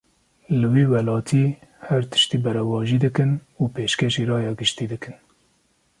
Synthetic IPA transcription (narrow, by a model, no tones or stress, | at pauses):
lɨwiːwɛlɑːt̪ʰiːhæɾt̪ʰɨ̥ʃt̪iːbɛɾɛwɑːʒiːd̪ɨkɨnuːpeːʃkeʃiːɾɑːjɑːɡɨʃt̪iːd̪ɨkɨn